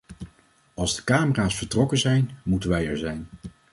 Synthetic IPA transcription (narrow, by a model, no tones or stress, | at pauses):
ɑlˠzdəkaːməraːsfəɹtrɔkənzɛjnmutənʋɛjɛɹzɛjn